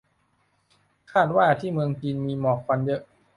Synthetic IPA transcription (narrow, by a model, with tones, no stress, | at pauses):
kʰaː˥˩t̪̚waː˥˩t̪ʰiː˥˩mɯ˧əŋt͡ɕiː˧nmiː˧mɔː˨˩k̚ʰwa˧njɤ˦˥ʔ